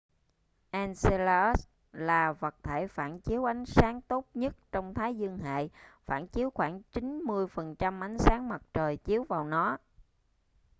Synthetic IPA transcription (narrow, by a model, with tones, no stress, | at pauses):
ʔɛː˧nse˧laː˧ʔə˦˥s | laː˨˩və˨˩t̚t̪ʰe˧˩jfaː˧˩nt͡ɕi˨˦əwʔa˨˦jŋ̟saː˨˦ŋt̪o˦˥t̚ɲə˦˥t̚t͡ɕɔ˧wŋ͡mt̪ʰaː˨˦jzɨ˧əŋɦa̰ː˧˨jfaː˧˩nt͡ɕi˨˦əwxwaː˧˩ŋt͡ɕi˨˦nmɨ˧əjfə˨˩nt͡ɕa˧mʔa˨˦jŋ̟saː˨˦ŋma˨˩t̚t͡ɕəː˨˩jt͡ɕi˨˦əwvaː˨˩wnɔ˨˦